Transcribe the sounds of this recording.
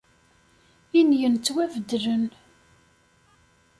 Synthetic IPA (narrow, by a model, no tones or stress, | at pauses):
injənt͡sːwævəd̪ɾən